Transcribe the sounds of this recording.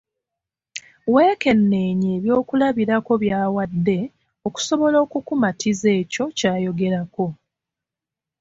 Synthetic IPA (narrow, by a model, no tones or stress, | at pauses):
we̞ːke̞nːe̞ːɲeβjo̞ːkulaβiɾako̞βjaːwadːe̞ | o̞ku̥so̞βo̞lo̞ːkukumatʰize̞ːco̞caːjo̞ɡe̞ɾako̞